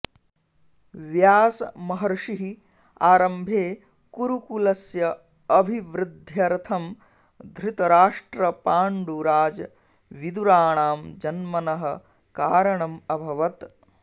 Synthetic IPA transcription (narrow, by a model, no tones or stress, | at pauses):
ʋjaːsɐmɐɦɐɾʂiɦi | aːɾɐmbʱeː | kuɾukulɐsjɐ | ɐbʱiʋɾɪd̪ʱjɐɾt̪ʰɐm | d̪ʱɾɪt̪ɐɾaːʂʈɾɐpaːɳɖuɾaːd͡ʒɐ | ʋid̪uɾaːɳaːmd͡ʒɐnmɐnɐɦɐ | kaːɾɐɳɐmɐbʱɐʋɐt̪